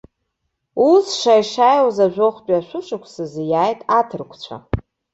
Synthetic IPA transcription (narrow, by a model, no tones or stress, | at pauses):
usʂajʂajwzaʒʷᶣoχʷpʼiaʃʷʊʂakʷʰsɨzjaːjtʼatʰɨrkʷʰt͡ɕʷʰa̰